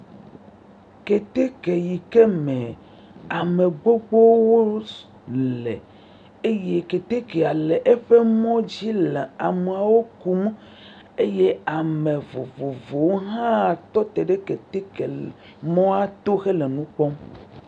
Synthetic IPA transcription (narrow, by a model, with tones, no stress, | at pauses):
ke˨t̪e˦ke˨ji˨ke˦mẽ˨ | a˨me˨ɡ͡bo˦ɡ͡bo˦wo˦ | llḛ˨ | e˦je˦ke˨t̪e˦ke˨a˨le˨ʔe˦ɸe˦mɔ̃˦d͡ʑi˦le˨a˨me˨a˨wo˦ku˦m˦ | e˦je˦a˨mẽ˨vo˨vo˨vo˨wo˦ɦã˦˨t̪ɔ˦t̪e˨ɖe˦ke˨t̪e˦ke˨ | mɔ̃˦a˦t̪o˦xe˦le˨nũ˦k͡pɔ˦m